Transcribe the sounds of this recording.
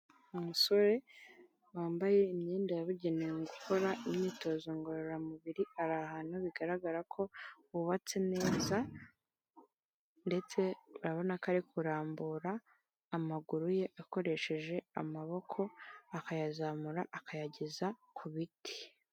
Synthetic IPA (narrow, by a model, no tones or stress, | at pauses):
umuso̞ɾe̞ | waːmbaje̞imɲeːndajaβuɟeneŋɡukʰo̞ɾaʔimɲiːto̞ːzoŋɡoɾoɾamuβiɾiaɾahaːnhuβiɡaɾaɡaɾakʰo̞ | uβat͡sene̞ːza | nde̞t͡se̞uɾaβo̞nakaɾikʰuɾaːmbuɾaː | maɡuɾuje̞ʔako̞ɾe̞ʃe̞ʒe̞a̰maβo̞kʰo̞akajazamuɾaʔakajaɟezakʰuβitʰi̥